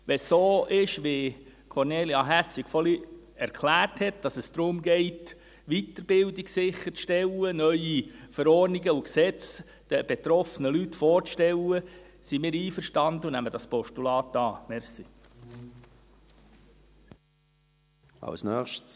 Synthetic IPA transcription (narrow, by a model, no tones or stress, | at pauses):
ʋɛsːoːʔɪʃʋe | kʰɔɾneːljɑɦæsikfɔli | ɛɾkʰlæːrthɛt̚d̥ɑsəsd̥̪ɾʊmɡɛɪt | ʋit̪əɾb̥ɪldiksɪχːəɾʃtɛlːənœʏifəɾɔɾniɡəuksɛt͡s | d̥əb̥et̪ɾɔfənəlytfɔːɾʃtɛlə | simɪːɾiːfəɾʃtɑnd̪ənæmədɑspɔʃtulɑːtɑːmɛɾsi | ɑ̰lsnœːχʃt